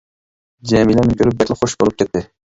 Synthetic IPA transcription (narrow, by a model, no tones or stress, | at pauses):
d͡ʒɛmilɛnɪkʰʲøɾyp̚bɛkʲlɪχoʃbolˠup̚kʲɛt̪ʰːɪ